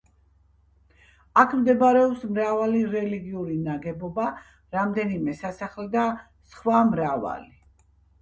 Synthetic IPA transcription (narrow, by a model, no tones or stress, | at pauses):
akʰmd̪ɛbaɾɛɔpsmɾavaliɾɛliɡiuɾinaɡɛbɔba | ɾamd̪ɛnimɛsasaχlɛd̪a | sχwamɾava̰li